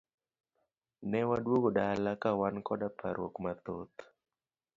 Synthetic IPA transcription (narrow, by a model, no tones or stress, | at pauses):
nɛwadwoɡodalakawankɔdapʰaɾwo̰kmat̪ot̪